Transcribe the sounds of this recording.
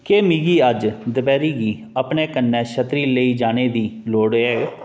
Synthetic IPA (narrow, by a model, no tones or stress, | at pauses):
keːmiːɡiːəd͡ʒd̪əbɛːɾiːɡiː | əpneːkənːɛːʃət̪ɾiːləiːd͡ʒaːneːd̪iːloːɽɛːɡ